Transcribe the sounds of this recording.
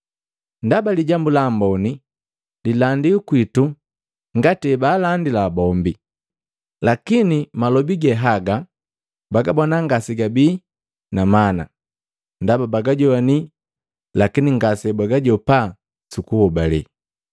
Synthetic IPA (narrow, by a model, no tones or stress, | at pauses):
ndabaliɟambulambɔni | lilandiukwitu | ŋɡatɛbaːlandilabɔmbi | lakinimalɔbiɡɛɦaɡa | baɡabɔnaŋɡasiɡabiː | namana̰ | ndababaɡaɟɔani | lakiniŋɡasɛbaɡaɟɔpa | sukuhɔbalɛ̰